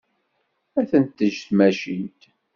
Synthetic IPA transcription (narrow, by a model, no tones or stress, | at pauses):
æθənt̪ːəʒθmæʃint̪